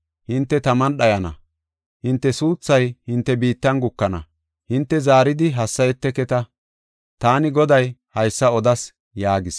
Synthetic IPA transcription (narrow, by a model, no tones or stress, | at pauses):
hɪnt̪ːɛt̪ɐmɐnɗɐjɐnɐ̰ | hɪnt̪ːɛsuːt͡sːɐjhɪnt̪ːɛbiːt̪ːɐnɡʊkːɐnɐ̰ | hɪnt̪ːɛzaːɾɪd̪ɪɦɐsːɐjɛt̪ːɛkɛt̪ɐ | t̪aːnɪɡɔd̪ɐjhɐjsːɐɔd̪ɐs | jaːɡɪs